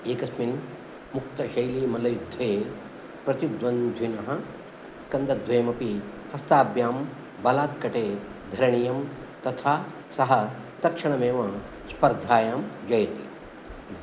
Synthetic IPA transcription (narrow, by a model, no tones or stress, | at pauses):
eːkɐsmin | muk̚t̪ɐʃɐjliːmɐlɐjud̪ʱːeː | pɾɐt̪jud̪ʋɐnd̪ʱinɐɦɐ | skɐnd̪ɐd̪ʱʋɐjɐmɐpi | hɐst̪aːbjaːm | bɐlaːt̪kɐʈeːd̪ʱɐɾɐɳijɐm | t̪ɐt̪ʰaː | sɐɦɐd̪ɐkʂɐɳɐmeːʋɐ | spɐɾd̪ʱaːjaːmd͡ʒɐjt̪ḭ